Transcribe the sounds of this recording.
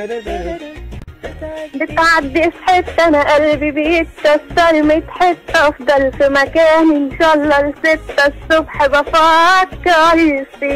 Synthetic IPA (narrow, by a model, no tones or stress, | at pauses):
bɪt̪ʕad̪ːɪfħɪt̪ːanaʔalːbibiʔɪt̪ːasɑɾmajɪt̪ħɪt̪ːʔɑfd̪ˤɑlfimakaːnʔɪnʃaːɑlˤːɑlsɪt̪ːasːʊbħbafɑːt̪kalːsi